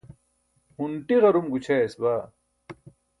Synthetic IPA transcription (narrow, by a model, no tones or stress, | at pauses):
huɳʈiʁɐɾumɡut͡ɕʰesbaː